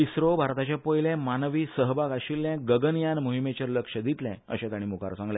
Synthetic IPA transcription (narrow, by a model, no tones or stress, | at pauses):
isɾobʱaɾt̪at͡ɕẽpojlɛ̃manʋiːsəɦbaɡaɕilːɛ̃ɡəɡənjanmuɦimet͡ɕəɾləkʂəd̪it̪lɛ̰̃ə̰ɕẽt̪aɽ̃imuka̰ɾsãŋɡlɛ